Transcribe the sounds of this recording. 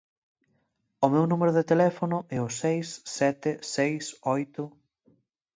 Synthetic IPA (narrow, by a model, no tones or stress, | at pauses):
ʊmewnumeɾʊðet̪elɛfonʊʔɛʊsejsːɛt̪ɪsejsojt̪ʊ